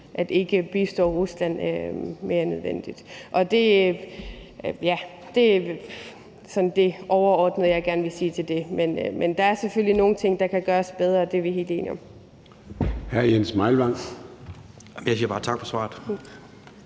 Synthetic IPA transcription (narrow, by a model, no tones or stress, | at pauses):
ʔæd̥e̝ɡ̥əb̥isd̥ɒ̰ːʁuslæn̰øme̝ːɐnøð̞ˠʋen̰d̥id̥ʔɒ̽d̥e̝ | jæ | d̥e̝ | sɒ̽nd̥e̝ʔɒʊɐɒːd̥nəð̩ˠjɑ̈ɪɡ̥æɐnʋe̝siːt͡sʰe̝ld̥e̝menmʔend̥ɑ̈æɐseføl̰lino̝ːn̩t͡sʰe̝ŋ̰d̥ɑ̈kʰæɡ̥ɶːɐsb̥eð̞ˠʁɐːd̥e̝ʋiɦe̝ːle̝̰ːniɒ̽m | hæɐ̰jensmɑ̈ɪlʋɑ̈ŋ̰ | jaɪsiːɐb̥ɑ̈ːt͡sʰɑ̈ɡ̥̚fɒ̽sʋɑ̰̈ːð̩ˠ